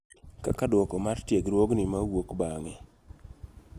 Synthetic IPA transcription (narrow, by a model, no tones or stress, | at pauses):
ka̰kadwɔkɔmartjeɡɾwoɡnimawokbaŋɛ